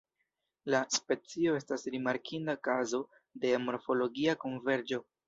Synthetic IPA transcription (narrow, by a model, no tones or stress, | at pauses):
laspe̞t͡sio̞e̞stasɾimaɾkʰindakazo̞ | de̞amo̞ɾfo̞lo̞ɡiako̞nve̞ɾd͡ʒo̞